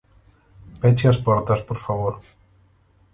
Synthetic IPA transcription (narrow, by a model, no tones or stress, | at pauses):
pɛt͡ʃiaspɔɾt̪aspoɾfaβ̞oɾ